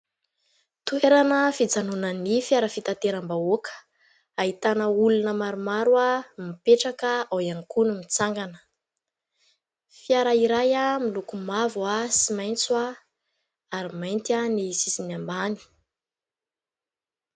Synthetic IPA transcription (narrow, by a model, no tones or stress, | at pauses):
t̪ueɾanəfid͡zanunənifjaɾəfit̪at̪eɾambaokʰə̥ | aɦit̪anəulunəmaɾumaɾuamipeʈ͡ʂakəawanikunumit͡saŋɡanə̥ | fiaɾaiɾajamilukumavuasimajnt͡swa | aɾimajnt̪ianisisinambani̥